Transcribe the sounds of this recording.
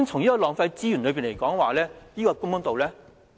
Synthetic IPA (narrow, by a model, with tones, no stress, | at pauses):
ŋt͡sʰʊ˨˩ŋniː˥kɔː˧lɔː˨ŋfɐ˧jt͡siː˥jy˨˩nlɵ˨˧piː˨nle˨˩jkɔː˨˥ŋwaː˨˩lɛː˥niː˥kɔː˧kʊ˥ŋmʊ˥ŋt̪o˨wlɛː˥